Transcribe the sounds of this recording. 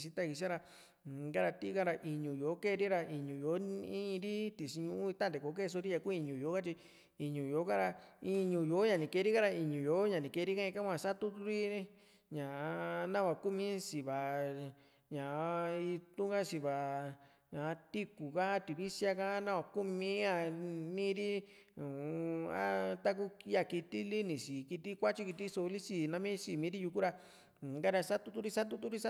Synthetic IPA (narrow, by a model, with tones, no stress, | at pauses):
s̬i˧t̪a˦˨ki˧s̬a˦ɾa˧˨ | ɡa˦ɾa˧t̪i˦ka˦ɾa˧ʔi˧ɲũ˨jo˨˦ke˦˧ɾi˦ɾa˧ʔi˨ɲũ˨jo˨˦ĩ˦˧ɾi˦t̪i˨si˧ɲũ˧ʔũ˦i˧t̪ã˦˨d̪e˨ko˨˦ke˦˧s̬o˧ɾi˦ja˧ku˦˧i˧ɲũ˨jo˨˦ka˦t͡ʃi˧ | i˧ɲũ˨jo˨˦kã˦ɾa˧i˧ɲũ˧jo˨˦ɲã˧nĩ˨ke˧ɾi˦ka˦ɾa˧i˧ɲũ˨jo˨˦ɲã˨nĩ˨ke˧ɾi˦ka˦ĩ˧ka˦kʷã˧˨sa˦t̪u˦t̪u˦ɾi˦ĩ˦ | ɲã˨˧nã˦βa˧ku˦mĩ˦si˨βa˨ | ɲã˨˧i˧t̪ũ˦ŋɡa˦si˧βa˨ | ɲã˨˧t̪i˦ku˨ka˦t̪i˨βi˦sja˧ka˦nã˦wa˧ku˦mĩ˦a˧nĩ˦ɾi˦ | ũ˨a˦t̪a˦k̬u˦a˧˨ki˧t̪i˦li˦nĩ˨si˨ki˧t̪i˦kʷa˦t͡ʃi˦ki˧t̪i˦so˧li˦si˧nã˧˦mĩ˦si˨mĩ˨˦ɾi˦ju˧ku˦ɾã˧˨ | ɡa˦ɾa˧sa˦t̪u˦t̪u˦ɾi˦sa˦t̪u˦t̪̬u˦ɾi˦sa˦